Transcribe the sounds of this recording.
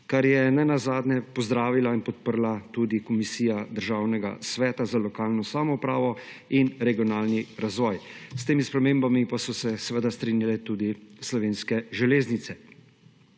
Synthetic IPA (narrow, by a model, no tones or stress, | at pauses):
kaɾjɛnɛnazaːd̪nɛpɔzd̪ɾaːʋilainpɔt̪̚pəɾlat̪ud̪ikɔmisiːjad̪əɾʒaːwnɛɡa̰sʋɛːt̪azalɔkaːlnɔsamɔupɾaːʋɔ | inɾɛɡiɔnaːlniɾazʋɔːjst̪eːmispɾɛmeːmbamipasɔsɛsɛʋəd̪ast̪ɾiːnjalɛt̪uːd̪islɔʋeːnskɛʒɛleːznit̪sɛ